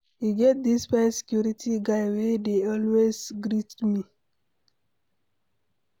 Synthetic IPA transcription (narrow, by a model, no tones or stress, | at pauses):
hiɡet̚d̪ispaɪsɛ̥kjuɾitʰiɡaɪwedeɔlwezɡɹitmi